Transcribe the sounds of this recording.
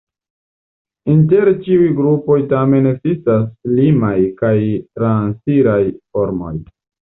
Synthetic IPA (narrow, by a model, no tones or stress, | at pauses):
inte̞ɾt͡ʃiujɡɾupo̞jtame̞nekzistaslimajkajtɾansiɾajfoɾmo̞̰j